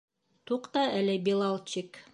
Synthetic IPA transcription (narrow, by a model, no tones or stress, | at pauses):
t̪uqt̪ɑælɘbilˠɑlˠt͡ɕik